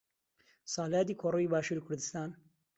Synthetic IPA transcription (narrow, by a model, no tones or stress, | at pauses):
sɑːlaːd̪iːkʰoɾuiːbɑːʃuːɾikʰʊɾd̪ɨst̪ɑːn